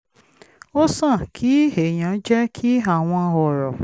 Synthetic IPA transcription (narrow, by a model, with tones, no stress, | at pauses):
o˦sã˦˨kʰi˨˦he˨j̃ã˨˦d͡ʒɛ˦kʰi˦a˨w̃ɔ̃˧ɔ˨ɾɔ̰˨